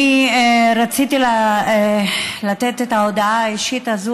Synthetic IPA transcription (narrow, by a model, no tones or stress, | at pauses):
ieɾat͡sit̪ila | lat̪et̪et̪aod̪aaiʃit̪azu